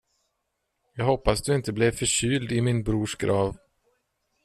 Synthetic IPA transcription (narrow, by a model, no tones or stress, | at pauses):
jɑːɡɦɔpːasd̪ɵɪnt̪əblɛvfœʂyːld̪ɪmɪnbɾuːʂɡɾʔɑːv